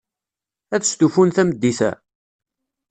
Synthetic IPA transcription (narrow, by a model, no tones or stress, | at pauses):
æðəst̪ufunθæməd̪ːiθæ̰